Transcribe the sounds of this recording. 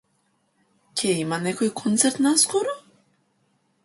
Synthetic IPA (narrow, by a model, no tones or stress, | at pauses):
cʰʲɛimanɛkojkʰont̪sɛɾt̪naskoɾo